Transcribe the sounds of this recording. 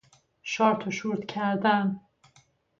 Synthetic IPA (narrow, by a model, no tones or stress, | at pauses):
ʃɒːɾt̪ʰoʃuɾt̪cʰæɾd̪æn